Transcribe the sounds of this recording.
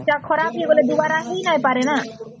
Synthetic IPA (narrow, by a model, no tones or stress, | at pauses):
ʈakʰɔɾapɦeeɡoled̪uwaɾaɦejnajpaɾena